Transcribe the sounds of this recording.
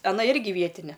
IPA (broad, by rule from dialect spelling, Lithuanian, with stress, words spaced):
ɐˈnɐ ˈɪrʲɡʲɪ ˈʋʲiɛtʲɪnʲɛ